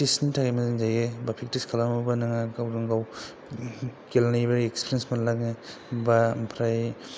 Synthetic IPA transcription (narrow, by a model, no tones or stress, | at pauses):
tisnitʰaɡajmazinzajebapʰik̚tiskʰalamubanaŋaɡawdaŋɡaw | kelnajbaekspʰiɾjensmanlak̚ne | bampʰɾaj